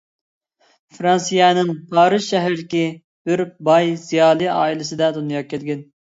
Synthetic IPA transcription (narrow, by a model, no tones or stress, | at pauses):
fɾɑnsijɛnɨŋpʰɑːɾɨzʃɛɦɾɾɪkʲi | b̥ɪɾbɑjzijɑːlˠɨɑ̰ːilˠɪsɨd̪ɛd̪unjɑkʲʰːɛlɡʲɪn